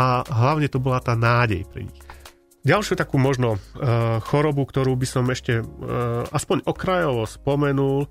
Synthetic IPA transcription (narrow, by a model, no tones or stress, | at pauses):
aɦlaʊɲɛt̪ɔbɔlat̪aːnaːɟɛ̰jpɾḭɲḭx | ɟalʃjut̪akuːmɔʒnɔ | xɔɾɔbukt̪ɔɾuːbisɔmɛʃcɛ | aspɔɲʔɔkɾajɔʋɔspɔmɛnul